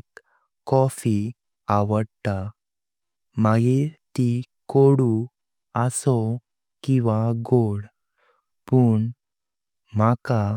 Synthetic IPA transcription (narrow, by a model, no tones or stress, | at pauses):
k | kːɔfi | aʋəɽt̪a | maɡiɾt̪ikoɽu | asɔ | kĩʋaɡoɽ | puːɳ | maka